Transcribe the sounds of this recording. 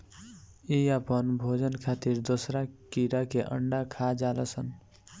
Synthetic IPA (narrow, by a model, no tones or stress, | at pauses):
iəpənbʱod͡ʒənkʰat̪iɾd̪osɾakiɾakeʔə̰ɳɖakʰad͡ʒaləsən